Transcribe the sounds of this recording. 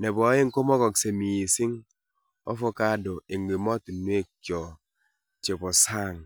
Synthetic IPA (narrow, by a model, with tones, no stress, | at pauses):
ne˨bɔ˨˦je˦ŋ̩˦ko˦mɔ˦kɔ˨kse˨mi˨si˦ŋ | ɔ˦fo˦ka˦do˨e˨ŋ˨ɡi˨mɔ˦tu˨nwe˦kjɔ˨ | t͡ʃe˨bɔ˨sa˦˨ŋ